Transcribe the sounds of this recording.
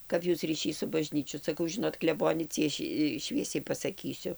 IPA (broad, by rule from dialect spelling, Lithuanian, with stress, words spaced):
ˈkɐp ˈjuːs rʲiːˈʃʲiːs sʊ bɐˈʒʲnʲiːt͡ʃʲʊ sɐˈkɐʊ ˈʒʲɪnoːt klʲɛˈboːnʲɛ ˈt͡sʲiɛʃʲɪ ˈʃʲʋʲiɛsʲɛɪ pɐsɐˈkʲiːsʲʊ